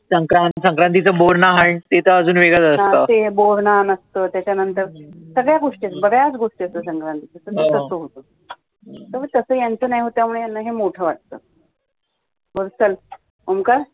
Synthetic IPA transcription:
səŋkɾãnt̪səŋkɾãnt̪it͡səboɾnaɦaɳt̪et̪əəd͡zuːnʋeɡɭəd͡zənət̪eboɾnanəst̪əːt̪jat͡ɕanənt̪əɾsəɡɭjaɡoʂʈiət͡sbəɡɭjat͡sɡoʂʈiəst̪əsəŋkɾant̪it͡səsət̪et̪əsəɦot̪ə | t̪əʋət̪əsəːjant͡səːnajɦot̪jamuɭejnəɦemoʈʰəːʋaʈ̚t̪ə̰ː | bəɾsəl | omkəɾ

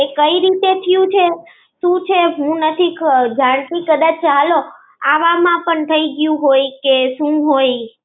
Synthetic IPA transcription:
ekəiɾit̪et̪ʰijũt͡ʃʰe | ʃũt͡ʃʰeɦũnət̪ʰikd͡ʒãɽ̃t̪ikəd̪at͡ʃt͡ʃalo | aʋamãpəɳt̪ʰəiɡjũɦojkeʃũɦoj

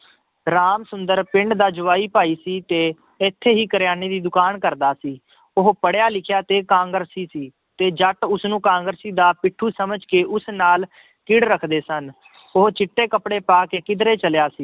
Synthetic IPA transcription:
ɾaːmsʊnd̪əɾpɪ̃ɳɖd̪aːd͡ʒʊʋaːiːpaːiːsiːt̪eː | ɪt̪ʰːeːɦiːkəɾjaːneːd̪iːd̪ʊkaːnkəɾd̪aːsiː | ʊɦpəɽjaːlɪkʰjaːt̪eːkãːŋɡəɾsiːsiː | t̪eːd͡ʒəʈʊsnũːkãːŋɡəɾsiːd̪aːpɪʈʰːuːsəməd͡ʒkeːʔʊsnaːl | kɪɽɾəkʰd̪eːsən | ʊɦt͡ʃɪʈːeːkəpɽeːpaːkeːkɪd̪ɾeːt͡ʃəljaːsiː

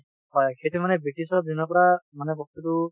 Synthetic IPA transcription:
hɔjkʰet̪imanɛbekisɔd̪ʱinɔkɔɾamanɛbɔk̚t̪utu

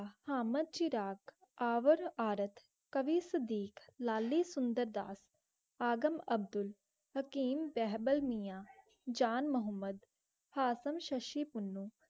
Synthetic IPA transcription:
haːməd̪̚t͡ʃiɾaːk | aːʋəɾaːɾət̪ʰ | kəʋiːsəd̪iːklaːlːiːsʊnd̪əɾd̪a̰ːs | aːɡəməb̚d̪ʊl | həkiːmbɛɦbəlmijaː | d͡ʒaːnməɦəmːəd̪ | haːsəmʃəʃiːpʊnːuː

